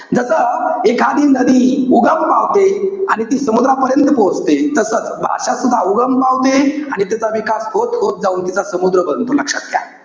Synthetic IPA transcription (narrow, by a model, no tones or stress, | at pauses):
d͡zəsəekʰad̪iːnnːəd̪ʱiːuɡəmpawt̪eaɽ̃it̪iːsəmud̪ɾapəɾjənt̪əpod͡zt̪et̪əsət͡sbʱa̰ʂasud̪ʱːauɡəmpawt̪eaɽ̃it̪jat͡saʋikasɦot̪ɦot̪̚d͡zauːnt̪it͡sasəmud̪ɾəbənt̪unakɕəkja̰